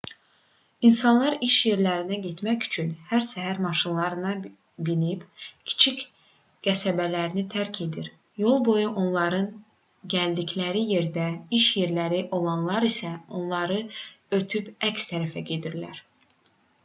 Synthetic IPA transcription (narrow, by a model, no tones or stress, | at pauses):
insɑnlˠɑɾiʃje̞ɾlæɾinæɟe̞t̪mæcy̥t͡ʃʰynhæɾsæɦæɾmɑʃɯnlˠɑɾɯnɑ | binibcʰi̥t͡ʃʰic | ɡ̥æsæbælæɾinit̪ʰæɾcʰe̞d̪iɾ | jo̞lˠbo̞juʔo̞nlˠɑɾɯn | ɟæld̪icʰlæɾije̞ɾd̪æiʃje̞ɾlæɾiʔo̞lˠɑnlˠɑɾisæo̞nlˠɑɾɯøt̪ʰypæcst̪ʰæɾæfæɟe̞d̪iɾlæɾ